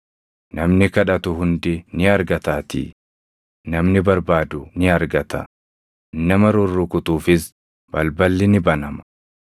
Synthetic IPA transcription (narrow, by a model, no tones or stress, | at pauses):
nɐmnɪkɐᶑɐt̪ʊɦʊnd̪ɪnɪɐɾɡɐt̪aːt̪ḭː | nɐmnɪbɐɾbaːd̪ʊnɪɐɾɡɐt̪ɐ̰ | nɐmɐɾʊrːʊkʊt̪uːfɪs | b̥ɐlbɐlːɪnɪbɐnɐmɐ̥